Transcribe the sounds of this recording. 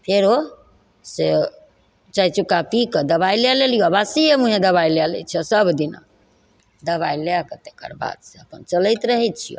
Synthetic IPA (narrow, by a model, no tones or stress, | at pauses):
pʰeɾo | se | t͡ʃajt͡ʃukapikəd̪əbailalelijoabasiemuɦẽd̪əβailelɛ̰t͡ʃʰɛsəbd̪ina̰ | d̪əβaileakət̪ekə̰ɾba̰d̪seəpənt͡ʃələjt̪ɾəɦɛt̪̚t͡ʃʰijo̰